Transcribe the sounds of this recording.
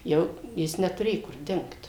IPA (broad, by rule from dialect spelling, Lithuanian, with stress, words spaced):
ˈjɛʊ ˈjɪs nʲɛtʊˈrʲeːjʊ kʊr ˈdʲɪŋkt